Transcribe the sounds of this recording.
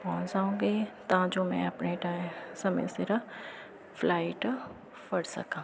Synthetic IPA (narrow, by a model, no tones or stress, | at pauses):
pɔ̃ːnsaːũːɡeːt̪ɐãd͡ʒoːmɛ̰̃ɐpneʈaːɪ̃sɐmḛseɾa | fʰlaːɪʈ | fɐɽsɐ̰kãː